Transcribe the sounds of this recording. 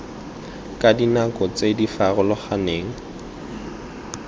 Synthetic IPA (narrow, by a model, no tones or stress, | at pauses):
kʼadinakʼɔt͡sedifarʊlʊχaneːŋ̩